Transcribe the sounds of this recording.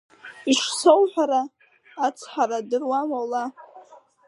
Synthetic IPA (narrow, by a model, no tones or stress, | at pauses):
iʂsowħʷᶣaɾaː | t͡sʰħaɾadɨrwamʷala